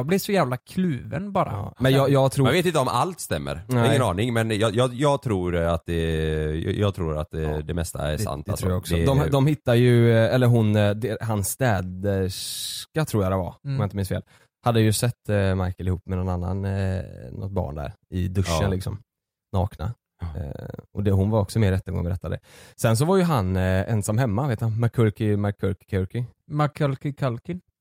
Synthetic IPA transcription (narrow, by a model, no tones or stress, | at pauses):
blɪʂɔjæːvlakʰlʉ̟ːvə̰nbɑːɾa̰mɛnɑjɑːɡt̪ʰɾuːmveːt̪ɪnt̪əɔmʔa̰lt̪st̪ɛmːə̰ɾɪŋːənɑːnɪŋmɛnjɑjɑjɑːɡt̪ʰɾuːɾat̪̚d̪ɛj̰jɑːɡ̚t̪ʰɾuːɾa̰t̪̚d̪ɛd̪ɛmɛst̪a̰ɛ̰a̰nt̪ɛt̪ʰɾuːjaɡɔksd̪ɔɛd̪ɔmd̪ɔmhɪt̪ːajɵɛlːəɾɦʊnd̪ɛɦansːt̪ɛːd̪əʂkat̪ʰɾuːɾjad̪ɛva̰ɔmjant̪əmɪnsfḛːl | had̪ːjɵsɛt̪ːmajkəlɪhuːpːmɛnɔnanːa̰nnɔ̰t̪̚bɑ̰ːɳd̪æ̰ɾɪ̰d̪ɵʂːənlɪksɔ̰m | nɑːkna̰ | ʔɔd̪ɛɦʊnvaɾɔksɔmeːɾːɛt̪ːəɡɔ̰ŋːbɛɾɛt̪ːad̪ɛ̰sɛns̬ɔvaɾjɵɦanɛ̰nsamːɦɛmːaveːt̪hanmakʰɵɾkɪmakʰɵɾkɪ̥kʰːɾkɪmakʰlkɪkʰalkɪ